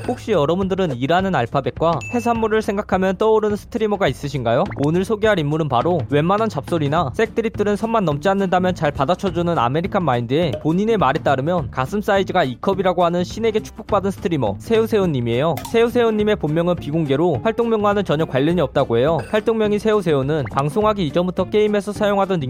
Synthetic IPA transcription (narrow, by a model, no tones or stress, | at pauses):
ɸok̚ɕ͈iʌɾʌbundɯɾɯniɾanɯnaɭpʰabe̞k̚k͈waɸe̞s̬ʰanmuɾɯɭsʰe̞ŋɡakʰamjʌnt͈ʌuɾɯnsʰɯ̥tʰɯɾimʌɡais͈ɯɕʰinɡajoonɯɭsʰoɡeɦaɾimːuɾɯnpaɾowe̞mːanɦant͡ɕap̚s͈oɾinasʰe̞k̚t͈ɯɾit̚t͈ɯɾɯnsʰʌnmanːʌmt͡ɕ͈ianːɯndamjʌnt͡ɕaɭpadat͡ɕʰʌd͡ʑunɯna̰me̞ɾikʰanmaindeːpoɲine̞maɾe̞t͈aɾɯmjʌnkasʰɯms͈aid͡ʑiɡaikʰʌbiɾaɡoɦanɯnɕʰine̞ɡe̞t͡ɕʰu̥k̚p͈ok̚p͈adɯnsʰɯ̥tʰɯɾimʌ̰sʰe̞usʰe̞oɲːimie̞josʰe̞usʰe̞uɲːime̞pommjʌŋɯnpiɡoŋɡe̞ɾoɸwaɭt͈oŋmjʌŋɡwanɯnt͡ɕʌɲʌkwaʎːʌɲiʌp̚t͈aɡoe̞joɸwaɭt͈oŋmjʌŋisʰe̞usʰe̞onɯnpaŋsʰoŋɦaɡiːd͡ʑʌmbutʰʌk͈e̞ime̞sʰʌsʰajoŋɦadʌni